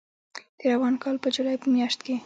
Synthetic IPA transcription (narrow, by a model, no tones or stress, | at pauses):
d̪̥əɾawɑnkɑlpəd͡ʒulɑjpəmjɑʃt̪ke